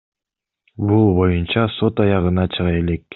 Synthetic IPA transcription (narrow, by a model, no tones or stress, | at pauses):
bulˠbo̞junt͡ʃɑso̞t̪ɑjɑʁɯnɑt͡ʃʰɯʁɑe̞le̞k̚